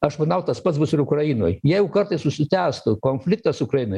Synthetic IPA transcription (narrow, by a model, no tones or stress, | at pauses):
ɐʃmɐnɐʊt̪ɐspɐt̪sbʊsɪɾʊkrɐjino̰ːjjiɛjɛʊkɐrt̪ɐɪssʊsʲɪt̪ʲæːst̪ʊkoːnʲfʲlʲɪk̚t̪ɐsʊʊkɾɐjɪnoːj